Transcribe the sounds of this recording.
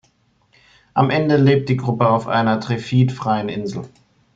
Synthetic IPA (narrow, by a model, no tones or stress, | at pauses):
ʔamʔɛndəleːp̚t̚d̥iːɡʁʊpəaʊfʔa̰ɪnɐtʁ̥efiːtfʁ̥aɪənʔɪnzl̩